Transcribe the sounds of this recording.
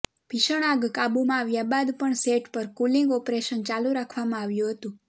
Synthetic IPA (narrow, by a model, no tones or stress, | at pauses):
b̥ʱiʃəɽ̃aɡkabumãːʋjabad̪pəɳseʈpəɾkuliŋɡɔpɾeʃənt͡ʃaluɾakʰʋamãaʋjũɦət̪ũ